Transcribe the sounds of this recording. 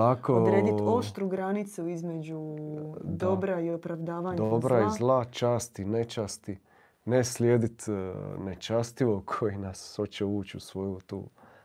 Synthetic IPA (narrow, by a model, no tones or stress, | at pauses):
akoodɾɾeːd̪ioʃt̪ɾuɡɾanit̪suizme̞d͡ʒu | d̪obɾaiopɾaʋd̪aːʋaɲd̪obɾaizlˠat͡ʃaːst̪inet͡ʃast̪i | neslʲjeːd̪it̪net͡ʃast̪iʋokʰojinaso̞t͡ʃeuːt͡ɕusʋo̞jut̪ṵː